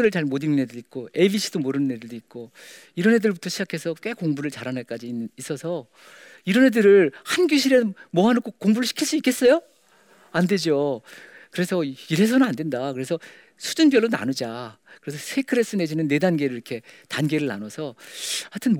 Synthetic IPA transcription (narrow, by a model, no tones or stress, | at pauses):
ɯɾɯɭt͡ɕaɭmodinnedɯit̚k͈oebiɕʰid̥omoɾɯnɯnːedɯɭdoit̚k͈o | iɾʌne̞dɯɭbutʰʌɕʰid͡ʑakʰe̞sʰʌk͈we̞koŋbuɾɯɭt͡ɕaɾanɯɭk͈ad͡ʑiis͈ʌsʰʌ | iɾʌnɦedɯɾɯɭhanɡjuɕ̬ʰiɾemʌɦanok͈ʰokoŋbuɾɯɭɕi̥kʰiɭs͈uik͈es͈ʌjo | ande̞d͡ʑo | kɯɾe̞sʰʌiɾe̞s̬ʰʌnɯnande̞ndakɯɾe̞sʰʌ | sʰu̥d͡ʑunbjʌɭːona̰nud͡ʑakɯɾe̞sʰʌsʰe̞kʰɯɾe̞s͈ɯne̞d͡ʑinɯnːe̞danɡeɾɯɭiɾʌkʰetanɡe̞ɾɯɭna̰nʌsʰʌhatʰɯn